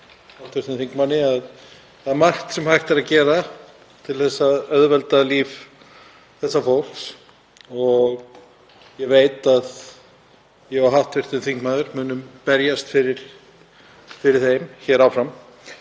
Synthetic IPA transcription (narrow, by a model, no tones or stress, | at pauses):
hawht̪vɪɾt̪ɪnθiŋkmanːɪað | θaðmḁht̪sɛmhajht̪ɪɾaðcɛːɾa | t̪ʰɪlθɛsːaœðvɛlt̪aliːv | θɛsːafowl̥ks | ɔɣ | jɛveːjt̪að | jɛɣɔɦawht̪vɪr̥t̪ɪnθiŋkmaːðʏɾmʏːnʏmpɛɾjast̪fɪɾɪɾ̥ | fɪɾɪɾ̥θejmçɛːɾawfɾam